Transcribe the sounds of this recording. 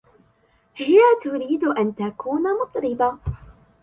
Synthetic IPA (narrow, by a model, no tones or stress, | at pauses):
hɪjat̪ʊɾiːd̪ʔant̪akuːnamʊt̪ˤɾɪba